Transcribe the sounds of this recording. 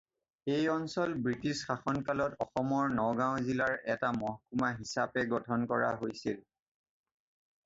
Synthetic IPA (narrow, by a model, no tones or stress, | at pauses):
ejɔnsɔlbɹitisxaxɔnkalɔtɔxɔmɔɹnɔɡãʊ̃zilaɹɛtamɔɦkumaɦisapɛɡɔtʰɔnkɔɹa̰ɦojsil